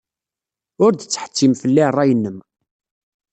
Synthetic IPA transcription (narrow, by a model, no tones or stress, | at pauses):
ʊɾd̪ət͡sːħə̥t͡sːimfəlːiərˤːɑjənːəm